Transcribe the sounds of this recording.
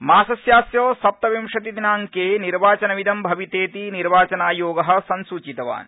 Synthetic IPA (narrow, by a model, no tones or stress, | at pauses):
maːsɐsjaːsjoːsɐp̚t̪ɐʋimʂɐt̪id̪inaːŋkeːniɾʋaːt͡ʃɐnɐʋid̪ɐmbʱɐʋit̪eːt̪iniɾʋaːt͡ʃɐnaːjoːɡɐɦɐ̆sɐnsuːt͡ʃit̪ɐʋa̰ːn